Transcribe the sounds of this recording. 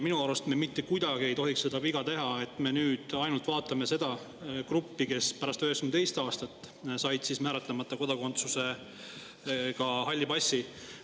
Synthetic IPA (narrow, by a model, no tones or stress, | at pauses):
minuɑɾust̪memit̪ːe̞kujd̪ɑɡ̥ie̞jt̪o̞ɦikse̞d̪ɑviɡ̥ɑt̪e̞ɦɑe̞t̪ːˑme̞nyːd̪̥ɑjnult̪vɑːt̪ːˑɑme̞se̞d̪̥ɑ | krupːike̞spæɾɑst̪øɦeksymet̪e̞jst̪ɑːst̪ɑt̪ː | sɑjd̪̥sismæːɾet̪ˑlemɑt̪ːˑɑko̞d̪ɑko̞nt̪suse̞ | kɑhɑlʲːibɑsʲːi